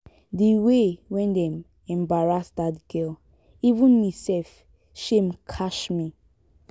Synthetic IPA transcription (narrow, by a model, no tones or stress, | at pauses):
diwewɛ̃ndɛ̃m | ɛ̃mbaɹasdadɡɛl | ivũnmisɛf | ʃẽmkʰaʃmi